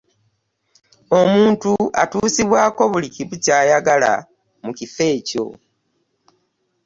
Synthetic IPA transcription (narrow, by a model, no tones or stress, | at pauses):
o̞muːntua̰tuːsiβwaːko̞βuliciβucaːjaɡala̰ | mucife̞ːco̞̰